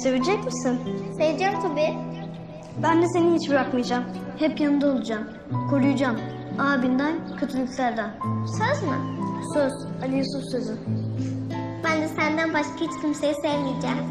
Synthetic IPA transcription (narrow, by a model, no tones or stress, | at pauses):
se̞vid͡ʒɛcmisinsevd͡ʒɛmt̪ʰubi | bænd̪ɛse̞nihit͡ʃbiɾakmijd͡ʒamhɛpjanɯnd̪aolˠud͡ʒam | kʰo̞ɾujud͡ʒam | aːbind̪æncʰøt̪ʰilʲict̪lʲæɾd̪ænsøzmɯ̰søz̥ | alʲijsufsø̞zy | bænd̪ɛsænd̪ænbaʃkʰahit͡ʃkʰimsejisɛvmijd͡ʒɛːm